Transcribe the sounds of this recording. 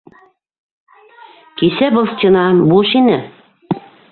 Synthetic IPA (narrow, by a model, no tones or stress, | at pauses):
kesæbɤ̆lˠst͡ɕʲenɑbulʃinɘ